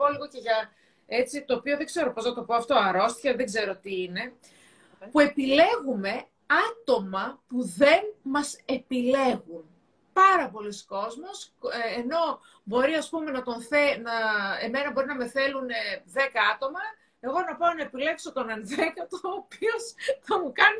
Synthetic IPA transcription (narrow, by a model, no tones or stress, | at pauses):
poliɣoce̞ʝɐ | e̞t͡sit̪o̞ːpio̞ðe̞ɡze̞ɾo̞po̞znɐt̪o̞po̞ɐft̪oɐɾo̞st̪çɐðe̞ɡze̞ɾo̞t̪iine̞ | pue̞pile̞ɣume̞ | ɐt̪o̞mɐpuðe̞nmɐse̞pile̞ɣun | pɐɾɐpo̞lisko̞zmo̞sːno̞ | bo̞ɾiɐspume̞nɐt̪o̞nθenɐeme̞nɐbo̞ɾinɐme̞θe̞luneðe̞kɐɐt̪o̞mɐ | e̞ɣo̞nɐpaonɐepile̞kso̞t̪onenðekɐt̪oːpio̞sθɐmukɐni